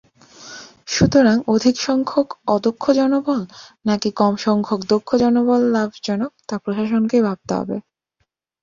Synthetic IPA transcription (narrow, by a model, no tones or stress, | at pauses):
ʃut̪oɾaŋod̪ʱikʃɔŋkʰokɔd̪okʰːod͡ʑɔnobɔlnakikɔmʃɔŋkʰokd̪okʰːod͡ʑɔnobɔlːabʱd͡ʑɔnok̚t̪apɾoʃaʃonkebʱab̚t̪o̰ɦɔ̰bḛ